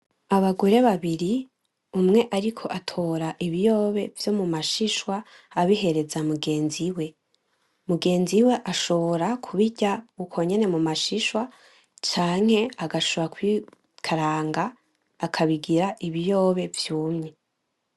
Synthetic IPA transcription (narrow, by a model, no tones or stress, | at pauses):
aβaɡo̞ɾe̞βaβiɾi | umŋe̞ʔaɾikʰo̞ʔatʰo̞ːɾaʔiβijo̞ːβe̞vjo̞mumaʃiʃwaː | βihe̞ɾe̞zamuɡe̞ːnziwe̞ | muɡe̞ːnziwe̞ʔaʃo̞βoɾakʰuβiɟaukʰo̞ɲe̞ne̞mumaʃiʃwa | t͡ʃaːŋ̥he̞aɡaʃoβoɾakwi | kʰaɾaːŋɡaː | kʰaβiɡiɾaʔiβijo̞ːβe̞vjuːmɲe